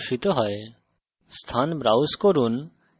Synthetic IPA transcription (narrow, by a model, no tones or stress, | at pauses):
ʃit̪ɔɦɔe | st̪ʰanbɾawskɔɾun